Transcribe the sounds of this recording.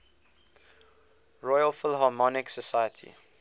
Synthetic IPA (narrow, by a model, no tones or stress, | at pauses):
ɹɔjəlfɪlɦɑːmɔnɪksəsajətʰḭ